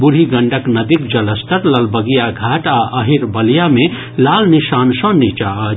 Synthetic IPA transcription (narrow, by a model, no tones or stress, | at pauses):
buɽ̤ʱiɡəɳɖəknəd̪ikd͡ʒələst̪əɾləlbəɡijaɡʱaːʈaʔəɦiɾbəlijamẽ | laːlnisaːnsə̃nit͡ʃa